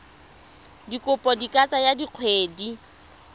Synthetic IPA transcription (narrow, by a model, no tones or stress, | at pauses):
dikʼʊpʼɔdikʼat͡sʼajadiq͡χʰweːdi